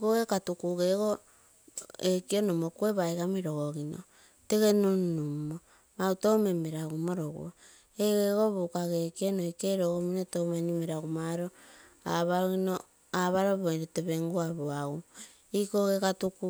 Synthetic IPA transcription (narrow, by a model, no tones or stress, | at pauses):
ikoɡekatukuɡeɡo | ekionomokueβajɡamiɾo̞ɡoɣino̰ | te̞ɡe̞nunnumo | mautowme̞meɾaɡumo̞ɾoɡṵo | eɡeɣo̞βukaɡekionoikeɾoɡominotomanimeɾaɡumaɾo̞a̰βaɾoɣino | aβaɾoβonote̞βe̞ŋɡuaβoaɡu | ikoɡekatuku